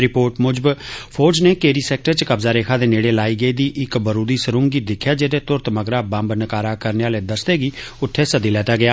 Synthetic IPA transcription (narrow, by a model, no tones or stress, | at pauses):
ɾɪpoːɾʈmʊd͡ʒəbpʰoːd͡ʒneːkeːɾiːsɛːk̚ʈəɾt͡ʃkəbzaːɾeːkʰaːd̪eːneːɽeːlaːiːɡəiːd̪iːʔɪkbəɾuːd̪iːsəɾʊ̃ŋɡɡiːd̪ɪkʰjaːd͡ʒed̪eːt̪ʊɾt̪məɡɾaːbə̃mbnəkaːɾaːkəɾneaːleːd̪əsd̪eːɡiːʊt̪ʰːeːsəd̪iːlɛːt̪aːɡɪjaː